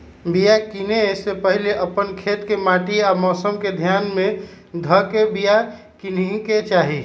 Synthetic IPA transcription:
bijakinesepəɦileʔəpənkʰet̪kemaʈiamɔːsəmked̪ʱjaːnmẽ | d̪ʱəkebija | kinĩket͡ʃaːɦi

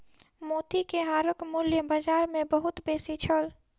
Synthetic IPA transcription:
moːt̪ikeɦaːɾəkmʊljəbaːd͡ʒaːɾmẽbəɦʊt̪beːsit͡ʃʰəl

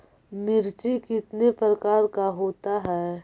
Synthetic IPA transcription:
mɪɾt͡ʃikɪt̪nepɾəkaːɾkaɦoːt̪aɦɛː

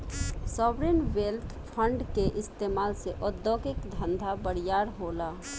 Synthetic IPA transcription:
sɔːbɾeːnʋeːlt̪ʰpʰə̃ɳɖkeʔɪst̪eːmaːlseʔɔd̪ːɔːkɪkd̪ʱə̃nd̪ʱabəɽɪjaːɽɦoːlaː

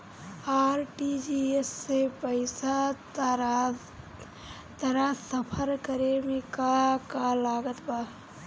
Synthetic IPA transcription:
aːɾʈid͡ʒiesːepəɪsa | t̪əɾasəpʰəɾkəɾemẽkakalaːɡət̪baː

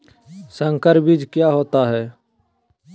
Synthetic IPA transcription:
sə̃ŋkəɾbid͡ʒkjaɦoːt̪aɦɛː

